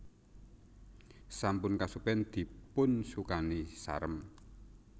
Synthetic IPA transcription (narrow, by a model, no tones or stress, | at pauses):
sampʊnkasupɛnd̪̥i̤pʊnsukanisa̰ɾəm